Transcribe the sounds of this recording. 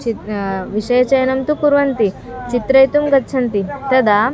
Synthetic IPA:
iʋiʂɐjɐt͡ɕɐjɐnɐmt̪ukuɾʋɐnt̪i | t͡ʃit̪ɾɐjt̪umɡɐt̪ːɕʰɐnt̪it̪ɐd̪a

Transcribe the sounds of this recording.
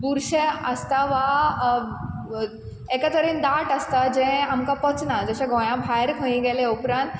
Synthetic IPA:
buɾʃəəst̪aʋa | ekət̪əɾind̪aʈəst̪ad͡ʒɛ̃amkapɔt͡snad͡ʑɛɕaɡõj̃ãbʱajɾkʰõĩɡeleupɾãːnt̪

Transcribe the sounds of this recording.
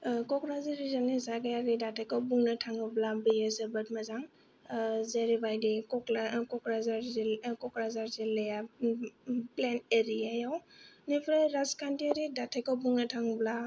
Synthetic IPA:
kɔkɾaziɾizanːizaɡajaɡidatʰakawbuŋnatʰaŋɡɯblabijesebət̚mazaŋ | zeɾibajdikɔklkɔkɾazaɾzkɔkɾazaɾzileja | pleneɾijajawnipʰɾaɾaskantiaɾidatʰekawbuŋnatʰaŋɡbla

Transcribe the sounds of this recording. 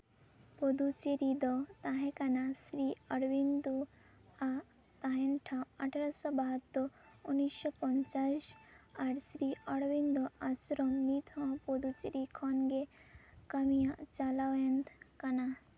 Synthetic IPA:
pɔd̪ut͡ʃiɾid̪ɔt̪aɦɛ̃kanasɾiəɽʋind̪u | a | t̪aɦẽnʈʰaaʈʰaɾɔsɔbaɦɔt̪ːɔunːisɕɔpɔnt͡ʃaɕaɾsɾiɔɽʋind̪ɔasɾɔmnit̪ʰɔ̃pɔd̪ut͡ʃiɾikʰɔnɡekamijat͡ʃalaʋent̪ʰkana

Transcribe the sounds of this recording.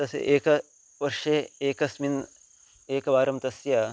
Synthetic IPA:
t̪ɐsḛʔeːkɐ | ʋɐɾʂeeːkɐsmin | eːkɐʋaːɾɐmt̪ɐsjɐ

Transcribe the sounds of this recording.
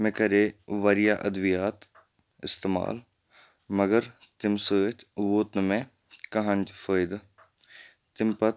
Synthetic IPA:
mẽkɐɾeːʋaɾɪjaːʔɐd̪ʋijaːt̪ | ɪst̪eːma̰ːl | mɐɡəɾt̪ɪmsəːt̪ʰʋoːt̪nəmẽ | kɐɦə̃nʲd͡ʒfʰəːɪd̪ | t̪ɪmpɐt̪

